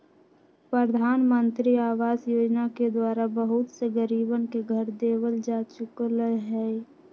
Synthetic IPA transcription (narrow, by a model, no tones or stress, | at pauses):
pɾəd̪ʱaːnmə̃nt̪ɾiaːʋaːzjoːd͡ʒnaked̪waːɾabəɦʊt̪seɡəɾiːbənkeɡʱəɾd̪eːwəld͡ʒaːt͡ʃʊkləɦɛː